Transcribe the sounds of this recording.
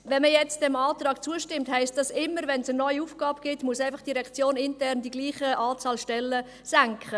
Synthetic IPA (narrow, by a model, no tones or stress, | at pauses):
vɛnməjɛt͡std̥ɛmɑːtrɑːkt͡suəʃtɪmthɛɪstd̥ɑsɪmːəɾvɛnsənɔʏiufɡ̥ɑːb̚ɡ̥ɪtmuəsɛɪfɑχd̥iɾɛkt͡sjoːnɪntɛrndiɡliːχəʔɑːt͡sɑːlʃtɛlːə | sæŋkχə